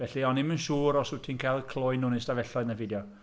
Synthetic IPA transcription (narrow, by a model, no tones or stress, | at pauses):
vɛɬiɔnimənʃuːɾɔsutʰinkʰalˠkʰlˠɔjnʊnɪsdavɛɬɔɨnəvɪdjɔ